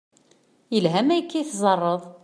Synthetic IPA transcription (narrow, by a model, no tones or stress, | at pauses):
jəlɦæmæjəkːiθzˤɑrˤːəðˤ